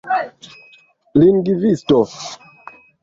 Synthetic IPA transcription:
linɡivistɔ

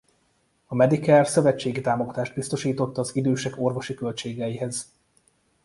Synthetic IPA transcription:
ɒmɛd̪ikɛrsøvɛt͡ʃːeːɡit̪aːmo̞ɡɒt̪aːʒd̪̚bist̪o̞ʃiːt̪o̞t̪ːɒːzid̪øːʃɛko̞rvo̞ʃikø̞lt͡ʃeːɡɛjiɦɛz

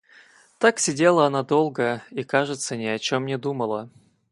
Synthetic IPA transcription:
t̪aksʲɪdʲelˠəɐnad̪o̞lˠɡəikaʐɨt̪sənʲɪɐt͡ɕomnʲɪd̪uməlˠə

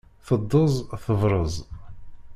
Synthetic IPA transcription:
θəd̪ˤːəzˤθəvɾˤəzˤ

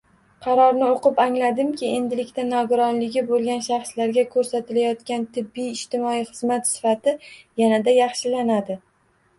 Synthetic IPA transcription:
qʰɑɾɒɾnɪoqɨpaŋlad̪ɪmkʲʰɪe̞nd̪ɪlɪkʲt̪anɒɡʊɾɒnlɪɡʲɪbolˠɡʲanʃɑχslaɾɡʲakʰɵɾsat̪ʰɪlajɒt̪kʲant̪ʰɪbːijːʃt̪ɪmɒijχɨzmat̪sɪ̥fat̪ɪjanad̪ajɑχʃɪlanad̪ɪ

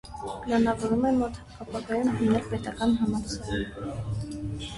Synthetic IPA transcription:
pəlɑnɑvɔɾumɛmɔt̪ʰ | ɑpʰɑɡɑjunɦənɛlpɛt̪ɑkɑnɦɑmɑt͡sʰɑɾ

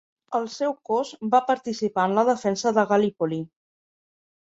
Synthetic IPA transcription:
əlˠsɛwkɔzbapəɾt̪isipaənləðəfɛnsəðəɣəlipoli

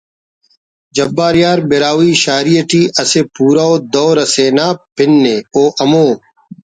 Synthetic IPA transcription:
d͡ʑɐbːaːɾjaːɾbeɾaːwiːɕaːɾijɐʈiːʔɐsepuːɾaoːd̪oːɾɐseːnaːpɪnːeoːʔɐmoː

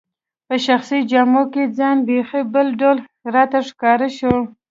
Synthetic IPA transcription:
pəʃaxsid͡ʒɑmoked͡zɑnbexibəlɖal | ɾɑt̪aʂkɑɾaʃo

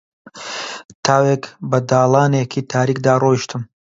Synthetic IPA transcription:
t̪ʰaːwekbɐd̪aːlˠaːnekʰit̪ʰaːɾiːkd̪aːrojʃt̪ʰɨm

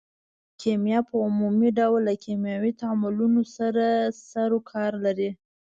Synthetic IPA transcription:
kʰemjɑpəʊmumiɖawlːakʰemjɑwit̪amʊlunosaɾasaɾokʰɑɾlaɾi

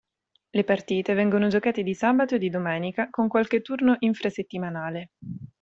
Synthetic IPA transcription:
lepart̪iːt̪evɛŋɡonod͡ʒokaːt̪ed̪isaːbat̪oed̪ːid̪omɛːnikakoŋkwalk̟et̪ːurnoʔiɱfɾaset̪ːimanaːle

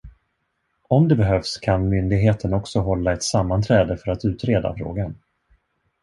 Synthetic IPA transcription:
ɔmd̪ɛbɛɦœfskʰanmʏnd̪ɪɡɦeːt̪ʰənɔksɔɦɔlːaɛt̪samːant̪ʰɾɛːd̪əfœɾat̪ʉ̟ːt̪ɾeːd̪a̰fɾo̰ːɡan

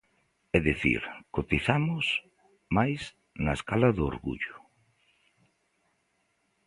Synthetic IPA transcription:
ɛðiθḭɾkot̪iθamʊs | majs | nɐeskalɐðʊo̰ɾɣṵʎʊ

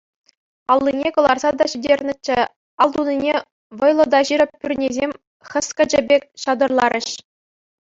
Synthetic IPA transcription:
ɑlˠːinʲekɤ̆lˠɑrzɑd̪ɑɕidʲerʲnʲɘ̆t͡ɕːɘ̆ | ɑlˠd̪unʲinʲe | ʋɤ̆jlˠɤ̆d̪ɑʑiɾʲɘ̆p̚ʲpʲːyrʲnʲezʲemʲ | χʲɘ̆skʲɘ̆d͡ʑɘ̆bʲekʲɕɑd̪ɤ̆rlˠɑɾʲʔɘ̆ɕ

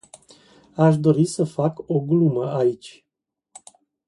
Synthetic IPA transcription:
aʃ̬d̪o̞ɾisəfako̞ɡluməait͡ʃʲ

